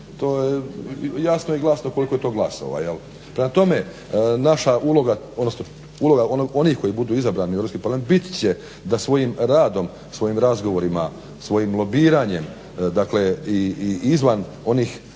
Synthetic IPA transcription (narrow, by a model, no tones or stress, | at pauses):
t̪o̞ːjejasnojiɡlˠasnoko̞liko̞jet̪o̞ːɡlˠaso̰ʋa̰jel | pɾemat̪o̞me̞ | naʃaʔulˠo̞ɡaod̪nosno | ulo̞ɡaono̞nixko̞jibud̪uːizabɾaːnieɾopskipaɾlamet̪bit̪t͡ɕe | d̪asʋo̞jimɾaːd̪o̞m | sʋo̞jiːmɾazɡo̞ʋo̞ɾima | sʋo̞jimlo̞biːɾaɲe̞m | d̪akle̞iiizʋan | o̞niːx